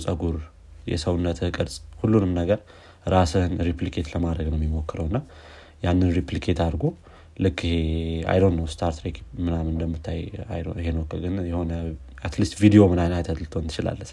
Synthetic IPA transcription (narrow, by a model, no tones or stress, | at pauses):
sʼəɡuɾ | jɛ̰səwnːət̪ʰɨɨkʼɨɾsʼhulːunɨmnəɡəɾ | ɾasɨnɾiplikʰe̞t̪ləmad̪ɾəɡnəwmɛmo̞kːɨɾəwɨnːa | janːɨnɾiplikʰe̞t̪ʰaɾɡo̞ | lɨkʰːɪhea̰jlonːəwst̪ʰaɾt̪ʰɾekmɨnamɨnd̪əmːɨt̪ʰːaja̰jɦe̞nəwkːəɡɨnjɛho̞nəat̪list̪vid̪ijo̞mɨnajnat̪ʰət̪ʰɨlt̪ʰoɨnʰɨ̥t͡ʃɪla̰lːəs